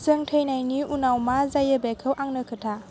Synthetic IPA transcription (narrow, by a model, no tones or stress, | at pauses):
zɯŋtʰəjnajniunawmazajəbɛkʰɯwʔaŋnɯkʰɯtʰa